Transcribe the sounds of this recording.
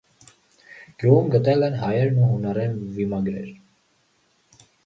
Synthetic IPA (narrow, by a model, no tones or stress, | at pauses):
ɡ̥juʁumɡət̪ɛlɛnɦɑjɛɾnuɦunɑɾɛnvimɑɡɾɛ̰ɾ